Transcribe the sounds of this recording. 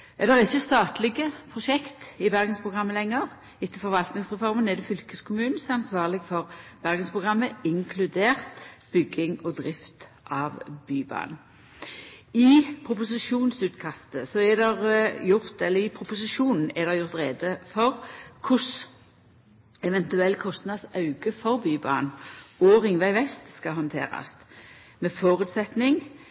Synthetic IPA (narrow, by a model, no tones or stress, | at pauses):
ɛd̪ɛʁɪçːəst̪ɑːt̪lɪɡəpʰʁʊʃɛkt̪ɪbæʁɡənspʰʁʊɡʁɑmːəlɛŋːəʁ | ɪt̪ːəfɔɾʋɑlt̪nɪŋsʁɛfɔʁmənɛd̪ɛfʏlkəskʰʊmʉːnn̩sɑnsʋɑːʁlɪɡfɔʁb̥æʁɡənspʰʁʊɡʁɑmːəɪŋkʰlʉd̪eːʁt̪b̥ʏɡɪŋɔd̪ʁɪft̪ | ʔɑʋbyːbɑ̰ːn | ɪpʰʁʊpʊsɪʃuːnsʉːt̪kʰɑst̪əsɔɛd̪ɛʁjʊʁt̪ɛlːəɪpʰʁʊpʊsɪʃuːnn̩ɛd̪ɛʁjʊʁt̪ʁeːd̪əfɔʁkʰʊs | ɛʋɛnt̪ʉɛlːkʰɔst̪nɑd̪sɑʉɡəfɔʁbyːbɑ̰ːnoːʁɪŋʋæɪʋɛst̪skɑɦɔnt̪ʰḛːʁɑ̰st̪mɛfoːʁʉːt̪sɛt̪nɪŋ